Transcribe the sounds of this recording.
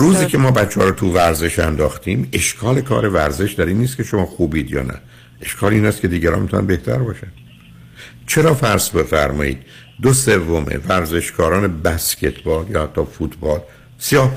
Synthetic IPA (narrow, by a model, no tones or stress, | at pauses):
ɾuːziːcʰe̞mɒːbæt͡ʃʰːeɒ̰ːɾɔt̪ʰuvæɾze̞ʃænd̪ɒːxt̪iːme̞ʃkʰɒːle̞kʰɒ̰ːɾe̞væɾze̞ʃd̪æɾiːnːiːst̪kʲʰe̞ʃomɒːxuːbiːd̪jɒ̰ːnæ̰ | e̞ʃkʰɒːliːnæst̪kʰʲe̞d̪iːɟæɾɒ̰nmet̪ʰunæ̰nbeht̪ʰæ̰ɾbɒːʃæn | t͡ʃʰe̞ɾɒːfæɾsbe̞fæɾmɒ̰ːḭːd̪̚ | d̪ose̞vːo̞mḛvæɾze̞ʃkʰɒːɾɒːne̞bæscʰe̞t̪ʰbɒːljɒːhæt̪ʰːɒːfut̪ʰbɒːl | sijɒː